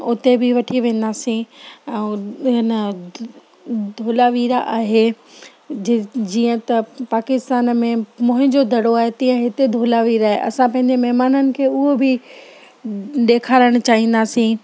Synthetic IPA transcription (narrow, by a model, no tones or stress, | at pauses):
ʊt̪ebɪʋɐʈʰiʋẽːn̆d̪aːsĩɛ̃ɦɪnə | d̪ʱoːlaʋiːɾaʔaːɦe | d͡ʑd͡ʑiːə̃t̪ɐpaːkɪst̪aːnmẽmʊ̃ɦɪ̃ɲd͡ʑod̪ʱɐɽoaːɦet̪ĩːə̃ɦɪt̪ed̪ʱoːlaʋiːɾaːɦḛʔɐ̰sãpɐ̃ɦɪ̃ɲd͡ʑemɛɦmaːnənɪ̆kʰeːʊɦobʱɪ | ɗeːkʰaːɾəɽ̃ʊt͡ɕaːɦĩːnd̪aːsĩː